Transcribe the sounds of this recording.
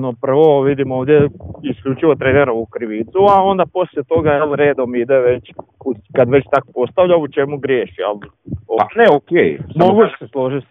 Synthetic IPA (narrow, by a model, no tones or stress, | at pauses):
nopr̩ʋoʋid̪imoːʋd̪jeiskʎʲut͡ʃiʋo̞t̪ɾeːneɾoʋukɾiʋit̪suao̞nd̪apo̞slʲjet̪o̞ɡajelɾe̞ːd̪o̞mid̪e̞ʋe̞t͡ɕ | ukad̪ʋe̞t͡ɕt̪ako̥po̞st̪aʋʎaut͡ʃe̞muɡɾjeːʃijɛ̰lˠ | oneokejmoɡuʃseslˠo̞ʒit̪